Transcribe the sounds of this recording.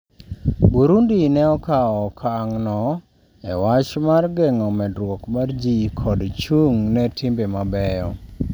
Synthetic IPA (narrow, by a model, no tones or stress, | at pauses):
buɾundinɛɔkaɔkʰaŋnɔ | ɛ̰wat͡ʃmarɡɛŋɔmɛdɾwɔkmard͡ʒikʰɔdt͡ʃuŋnɛtʰɪmbemabɛjɔ